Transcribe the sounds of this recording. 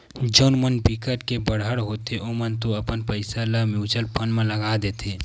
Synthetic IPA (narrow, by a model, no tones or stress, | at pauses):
d͡ʒoːnmənpikəɾkebəɽɦəɽɦoːt̪eʔomənt̪oəpənpəɪsaləmjuːt͡ʃəlpʰənmẽləɡad̪eːt̪ʰeː